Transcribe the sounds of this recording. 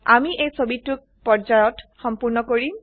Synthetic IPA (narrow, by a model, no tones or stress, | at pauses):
amiʔejsobituk̚pɔɹd͡ʒajɔtxɔmpuɹnɔkoɹi